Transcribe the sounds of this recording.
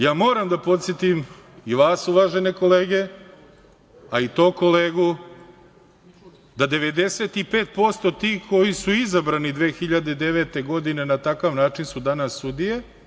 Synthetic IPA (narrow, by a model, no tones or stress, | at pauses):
jaːmo̞ːɾamd̪apo̞t̪sjet̪imiʋaːsuʋaʒene̞ko̞le̞ːɡe̞ | ait̪o̞ːko̞leːɡu | d̪ad̪e̞ʋe̞d̪e̞se̞t̪ipe̞ːt̪̚po̞st̪o̞t̪iːxko̞jisuizabɾanid̪ʋeːxiʎad̪ed̪e̞ʋet̪e̞ɡo̞d̪ine̞nat̪akaʋnaːt͡ʃinsud̪anasːud̪ije